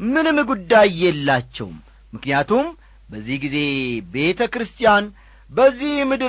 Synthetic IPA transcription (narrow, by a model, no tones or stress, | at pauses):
mɨnɨmɨɡud̪ːajjɛlːat͡ʃːɛ̰w̰mː | ɨknijat̪ʰum | bəzːihɡize̞be̞t̪ʰəkɾɨst̪ʰijan | bəzːihmɨd̪ɨ